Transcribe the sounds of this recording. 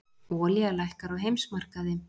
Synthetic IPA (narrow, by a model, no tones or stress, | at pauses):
ɔːlialajhkaɾawɦejmsmar̥kaðɪm